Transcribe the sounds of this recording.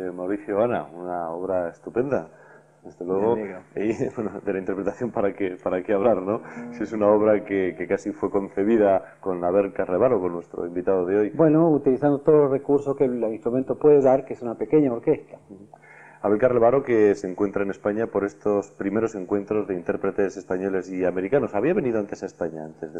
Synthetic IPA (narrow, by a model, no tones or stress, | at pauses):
emawɾiθjoana̰unao̞β̞ɾae̞st̪upẽ̞nd̪a | d̪e̞zðe̞lwe̞ɣ̞o̞ibwenoðe̞laint̪eɾpɾet̪aθjo̞mpaɾakepaɾakeaβlaɾno̞siesunao̞β̞ɾakekekasifwe̞ko̞n̟θe̞β̞iðako̞naβe̞lkaɾleβaɾoko̞nːwe̞st̪ɾo̞̰imbit̪að̞oð̞eo̞jbbwe̞nout̪iliθand̪ot̪oðlorekuɾsoskeinst̪ɾumẽnt̪opweðeðaɾkeesunape̞keɲaoɾkest̪ḁ | aβelkarleβaɾo̞ke̞seŋkwe̞nt̪ɾaene̞spaɲapo̞ɾe̞st̪o̞spɾime̞ɾo̞se̞ŋkwe̞nt̪ɾo̞zðeint̪e̞ɾpɾe̞t̪e̞se̞spaɲo̞le̞siameɾikano̞saβ̞iaβ̞e̞nið̞oant̪e̞sae̞spaɲaant̪e̞zðe